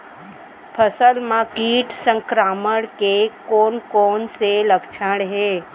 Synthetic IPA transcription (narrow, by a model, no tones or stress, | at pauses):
pʰəsəlmãkiːʈsə̃ŋkɾaːməɽ̃kekoːnkoːnseləkt͡ʃʰəɽ̃ɦeː